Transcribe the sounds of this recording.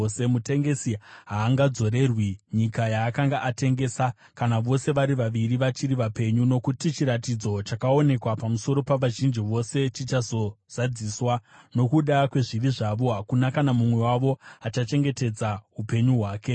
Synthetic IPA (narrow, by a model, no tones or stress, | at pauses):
semute̞ŋɡe̞siɦaːŋɡad͡zo̞ɾe̞rwiɲikajaːkaŋɡaʔate̞ŋɡe̞sa | kanaʋo̞se̞ʋaɾiʋaʋiɾiʋat͡ʃiɾiʋape̞ɲuno̞kutit͡ʃiɾatid͡zo̞t͡ʃakao̞ne̞kwapamuso̞ɾo̞paʋaʒind͡ʒiʋo̞se̞t͡ʃit͡ʃazo̞z̥ad͡ziswano̞kuɗakwe̞ʐiriʐaʋo̞ɦakunakanamumwe̞waʋo̞at͡ʃat͡ʃe̞ŋɡe̞te̞d͡zaɦupe̞ɲuɦwaːke̞